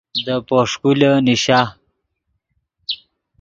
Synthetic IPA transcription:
d̪əpoʂkuləniɕa

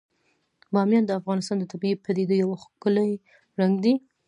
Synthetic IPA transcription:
bɑmjɑnd̪əafɣɑnɪst̪ɑnd̪ət̪ʰabiepad̪ed̪ojawaxkəlaj | ɾaŋɡd̪i

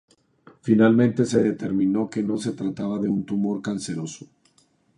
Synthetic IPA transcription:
finalmẽ̞nt̪e̞se̞ðe̞t̪e̞ɾmĩno̞ke̞no̞se̞t̪ɾat̪aβaðe̞unt̪umo̞ɾkanse̞ɾo̞so̥

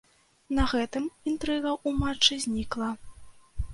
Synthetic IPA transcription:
nɐɣɛt̪ɨmint̪ɾɨɣɐʔumat͡ʂːɨzʲnʲiklˠɐ

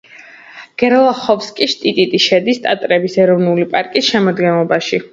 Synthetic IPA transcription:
ɡ̥ɛɾlˠaχɔfskʼiʃt̪ʼit̪ʼit̪ʼiʃɛd̪ist̪ʼat̪ʼɾɛbisɛɾɔvnulipʼaɾkʼisʃɛmɔd̪ɡɛnlˠɔbaʃi

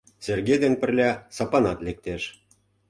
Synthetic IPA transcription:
serɡed̪enpə̆rlʲɑsɑpɑnɑt̪lek̚t̪eʃ

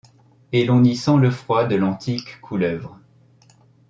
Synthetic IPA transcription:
elɔ̃nisɑ̃ləfχwad̪əlɑ̃t̪ʰikʰːulœvʁ

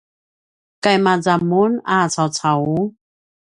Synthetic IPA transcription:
kajmad͡zamunʔaːt͡sʰawt͡sʰaw

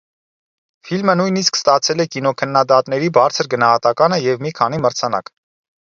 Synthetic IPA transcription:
filmənujniskst̪ɑt͡sʰɛlɛkinɔkʰənːɑd̪ɑt̪nɛɾibɑɾt͡sʰəɾɡənɑhɑt̪ɑkɑnəjɛvmikʰɑniməɾt͡sʰɑnɑ̰k

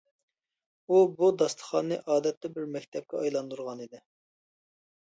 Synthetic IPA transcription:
ubud̪ɑst̪ʰə̥χɑnːɨʔɑːd̪ɛt̪ʰːɛbɪɾmɛk̚ʲt̪ʰɛp̚kʲɛɑjlˠɑnd̪uɾʁɑnid̪ɪ

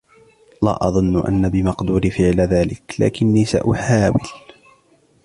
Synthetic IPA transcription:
la̰ːʔɑðˤʊnːʔa̰nːabɪmɑqd̪uːɾifɪʕlaðaːlɪkla̰ːkɪnːiːsa̰ʔʊħaːwɪl

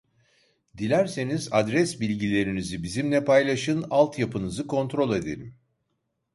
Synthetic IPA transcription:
d̪ilʲæɾse̞nizad̪ɾɛsbilʲɟilʲe̞ɾinizibizimlʲɛpajlˠaʃɯnalˠt̪ʰjapʰɯnɯzɯkʰo̞nt̪ɾo̞lˠe̞d̪e̞̰ɾim

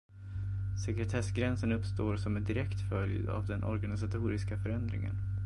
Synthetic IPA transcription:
sɛkɾɛt̪ʰɛsɡɾɛnsənɵpst̪oːɾsɔmɛnd̪ɪɾɛkt̪fœlj̰a̰vd̪ɛnʔɔ̰ɾɡanɪsat̪ʰuːɾɪskafœɾɛnd̪ɾɪ̰ŋə̰n

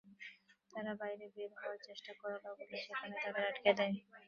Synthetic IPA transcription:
t̪aɾabajɾebeɾɦɔwaɾt͡ɕeʃʈakɔɾababoleʃekʰaned̪ad̪eɾaʈked̪ɛe

